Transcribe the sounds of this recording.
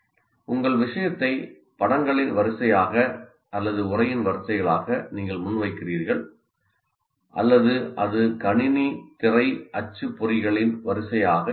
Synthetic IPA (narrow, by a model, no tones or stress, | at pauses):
ʊŋɡɐɭʋɪʂɐjɐt̪ːɐɪ | pɐɽɐŋɡɐɭɪnʋɐɾɯsɐjaːɣɐ | ʔɐlːɐðɯʊrɐjɪnʋɐɾɯsɐɪɣɐɭaːɣɐniːŋɡɐɭmʊnːʋɐɪkːɪriːɾɣɐɭ | ʔɐ̰lːɐðɯʔɐðɯkɐɳɪnit̪ɪrɐɪʔɐt͡ʃːɯpːʊrɪɣɐɭɪnʋɐɾɯsɐjaːɣɐ